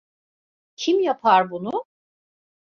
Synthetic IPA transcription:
cʰimjapʰaɾbunʊ

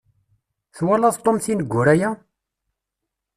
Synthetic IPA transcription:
θwælæðt̪ˤomθinəɡʷːʊɾæjæ

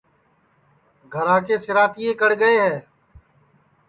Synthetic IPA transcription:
ɡʱəɾaːkeːsɪɾaːt̪iːeːkəɽɡəeːɦɛː

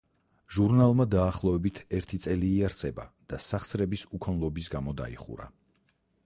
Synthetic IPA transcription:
ʒuɾnalˠmad̪aːχlˠɔɛbit̪ʰɛɾt̪ʰit̪sʼɛliːaɾt̪sʼɛba̰d̪̥asaχsɾɛbisukʰɔnlˠɔbisɡamɔd̪a̰ḭχṵɾa̰

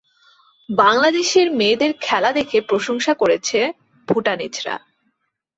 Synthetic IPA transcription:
baŋlad̪eʃeɾmeːd̪eɾkʰɛlad̪ekʰepɾoʃoŋʃakoɾet͡ɕʰe | b̥ʱuʈanid͡ʑɾa̰

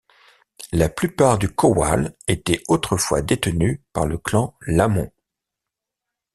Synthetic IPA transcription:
laplypaʁd̪ykɔwa̰let̪ɛot̪χəfwa̰d̪et̪ənypaʁləklɑ̃lamɔ̃

